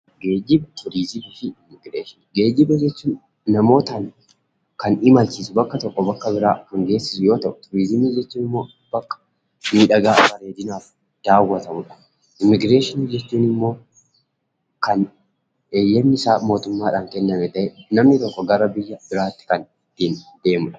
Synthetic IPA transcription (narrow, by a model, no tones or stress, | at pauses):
ɡe̞ːd͡ʒɪbt̪ʰʊɾiːzɪmiːfɪɪmːɪɡɾeːʃɪnɡe̞ːd͡ʒɪbɛd͡ʒɛt͡ʃːuːnː | ɐmo̞ːt̪ɐn | kɐnɪmɐlt͡ʃiːsʊbɐkːɐt̪ɔkːɔbɐkːɐbɪɾaːkɐŋɡe̞ːsɪ̥sʊjo̞ːt̪ɐʔʊ̥t̪ʊɾiːzɪmiːd͡ʒɛt͡ʃːuːnɪmːo̞ː | b̥ɐkːɐ̥ | miːᶑɐɡaːbɐɾeːd̪ɪnaːf | d̪̥aːwːɐt̪ɐmʊᶑɐ̥ | ʔɪmːɪɡɾe̞ːʃɪniːd͡ʒɛt͡ʃːuːnɪmːo̞ː | kɐn | eːjːɛnːɪɪsaːmo̞ːt̪ʊmːaːᶑaːŋkɛnːɐmɛt̪ɐʔɛnɐmnɪt̪ɔkːɔɡɐɾɐbɪjːɐb̥ɪɾaːt̪ːɪ̥kɐn | t̪ːiːnd̪e̞ːmʊᶑɐ̥